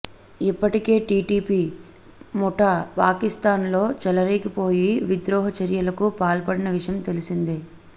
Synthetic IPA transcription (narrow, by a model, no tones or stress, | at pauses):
ipːɐʈike̞ːʈiːʈiːpiː | mɔʈapaːkist̪aːnlo̞ːt͡ʃɛlɐɾeːkipo̞ːjiʋid̪ɾɔːɦɐt͡ʃɐɾjɐlɐkupaːlpɐɽinɐʋiʂɐjɐmt̪elisind̪i